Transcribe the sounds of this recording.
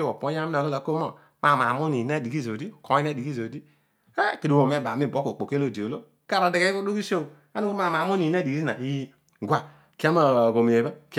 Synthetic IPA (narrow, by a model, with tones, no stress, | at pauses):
e˦wo˨po˨˦ja˦mi˦o˨ɡe˦la˨ko˦mo̰˨ | ma˨ma˨mo˦ni˨na˦˨di˨ɡi˦zo˨di˦˨ko˨˦i˦a˦di˨ɡi˦zo˨di˦ | a˦˨ki˨i˨wo˨me˦˨ba˨mi˦˨bo˨˦ko˨k͡po˨ke˦lo˦˨di˨o˨lo˦ | ka˦ɾa˨de˨ɡe˦i˦o˦du˦ki˦so˦˨ | a˦nu˦ko˦ma˨ma˨mo˦ni˨na˦di˨ɡi˦i˦na˨i˦ | ɡʷa˨ | ki˦a˦ma˨ɡo˨mi˨e˨ba˦k